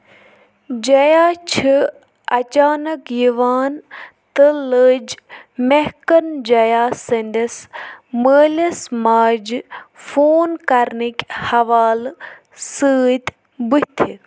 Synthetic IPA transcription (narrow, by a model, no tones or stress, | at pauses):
d͡ʒɐjaːt͡ʃʰi | ɐt͡ʃaːnɐkjiʋaːn | t̪ələd͡ʒmehkɐnd͡ʒɐjaːsɐnd̪ɐsməːlʲɐsmaːd͡ʒfoːnkɐɾnikʲhɐʋaːl | səːt̪ | but̪ʰi